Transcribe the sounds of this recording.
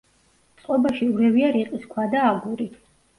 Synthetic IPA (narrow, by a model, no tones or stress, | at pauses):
t̪sʼqʼɔbaʃiuɾɛviaɾiqʼiskʰwad̪aːɡuɾi